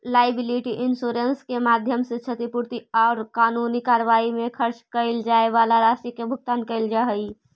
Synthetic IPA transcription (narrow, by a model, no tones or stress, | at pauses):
laːɪbɪliʈiʔɪnsuːɾenskemaːd̪ʱjəmset͡ʃʰət̪ipuɾt̪iɔːɾkaːnunikaːɾəʋaːimẽkʰəɾt͡ʃkəɪld͡ʒaːeʋaːlaɾaːʃʈikebʱʊɡ̚t̪aːnkəɪld͡ʒaɦəi